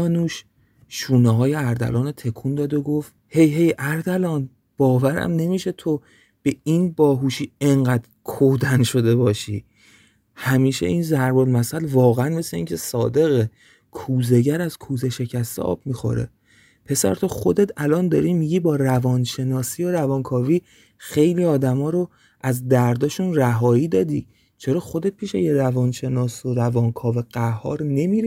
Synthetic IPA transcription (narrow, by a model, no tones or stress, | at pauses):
ɒːnuːʃ | ʃuːnɛɦɒːjeæɾd̪æ̰lɒːnet̪ʰe̞kʰuːnd̪ɒːd̪oɡo̞ft̪he̞jɦe̞jʔæɾd̪ælɒːn | b̥ɒːvæɾæ̰mne̞miːʃe̞t̪ʰo | b̥e̞iːnbɒːɦuːʃiːeŋɢæd̪ɾkʰod̪ænʃo̞d̪e̞bɒːʃiː | hæmiːʃḛʔiːnzæɾbolmæsælvɒːɣeænme̞sle̞iːŋcʰe̞sɒːd̪e̞ɣe | kʰuːze̞ɟæɾæzkʰuːzeʃe̞cʰæst̪ḛʔɒ̰ːb̚miːxo̞̰ɾḛ | pʰe̞sæ̰ɾt̪ʰoxo̞d̪et̪ʰælɒːnd̪ɒːɾimiːɟiːbɒːrævɒːnʃe̞nɒːsiːoɾævɒːnkʰɒːviː | xe̞jliːɒːd̪æmɒːɾo | æzd̪æɾd̪ɒːʃunræɦɒːiːd̪ɒːd̪iː | t͡ʃʰeɾɒːxo̞d̪e̞t̪̚pʰiːʃḛjeɾævɒːnʃe̞nɒːsoɾævɒːnkʰɒːveɢ̥æɦɒ̰ːɾne̞miɾi